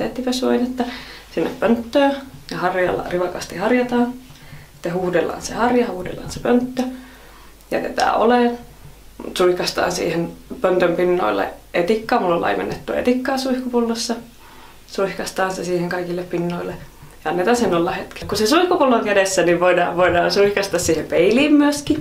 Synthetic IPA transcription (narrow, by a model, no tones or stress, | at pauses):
t̪et̪ːiʋøsoinet̪ːɑsinːeppønt̪ːøːjɑhɑrjɑlːɑ̰riʋɑkɑst̪ihɑrjɑt̪ɑːni̥t̪ːehuːdelːɑ̰ːnsḛhɑrjɑhuːdḛlːɑ̰ːnsepønt̪ːø | jɑ̰t̪ḛt̪æ̰ːo̰leˑn | mut̪suihkɑst̪ɑ̰ːnsḭːhenpønt̪ømpinːo̰ilːḛʔet̪ikːɑːmulːolʔɑ̰iʋḛnːet̪ːuḛt̪ikːɑːsuihkupulːosːɑ | suihkɑst̪ɑːnsesiːheŋkɑikilːeppinːoilːe | jɑɑnːet̪ɑnsenːolːɑhet̪ke̥kusesuihkupulːoŋkædesːæniʋʋoidɑ̰ːʋʋoidɑːnsuihkɑst̪ɑssiːhempeiliːmmyøski